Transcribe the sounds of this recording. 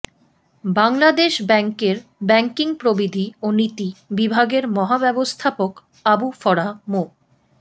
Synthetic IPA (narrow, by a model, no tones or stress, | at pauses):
baŋlad̪eʃbɛŋkeɾbɛŋkiŋpɾobid̪ʱionit̪ibibʱaɡeɾmɔɦabɛbost̪ʰapok | abufɔɾamo